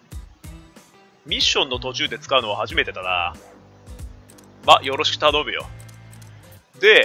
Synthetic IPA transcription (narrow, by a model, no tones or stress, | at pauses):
mʲiɕːõ̞nːo̞t̪ot͡ɕɨːd̪e̞t͡sɨ̥kaɯ̟no̞βahaʑime̞t̪e̞t̪ana̰ | majo̞ɾo̞ɕi̥kɯ̟t̪ano̞bɯ̟jo̞̰ | d̪e̞